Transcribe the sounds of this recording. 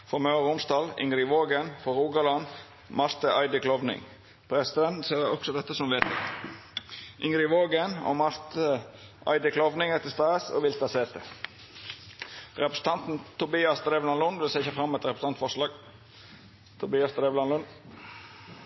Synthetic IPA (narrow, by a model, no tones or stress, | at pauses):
fɔmœːʁʊnsd̪ɑːlɪ̰ŋɾɪʋoːɡənfɔɾuːɡɑlɑn | mɑɾt̪əʔɑɪd̪əkʰlɔʋnɪ̰ŋ | pʰɾɛsɪd̪ɛnt̪n̩seːd̪ɛɔksɔd̪ɛt̪ːəsɔmʋeːt̪ə̰ | ʔɪŋɾɪʋoːɡəno̰mɑɾt̪əʔɑ̰ɪd̪əkʰlɔʋnɪŋət̪ɪst̪ɑːəsɔ̰ʋɪlt̪ɑseːt̪ə | ʁɛpɾəsən̩t̪ʰɑnt̪n̩t̪ʰʊbiːɑsd̪ɾeːʋlɑnlʊnʋɪlsɛçəfʁɑmːɛt̪ʁɛpɾəst̪ɑnt̪fɔʁʂlɑːɡ | t̪ʰʊbiːɑsd̪ɾeːʋlɑnlʉn